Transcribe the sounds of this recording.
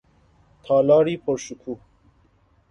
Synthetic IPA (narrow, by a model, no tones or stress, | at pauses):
t̪ʰaːlaːɾipoɾɕukʰu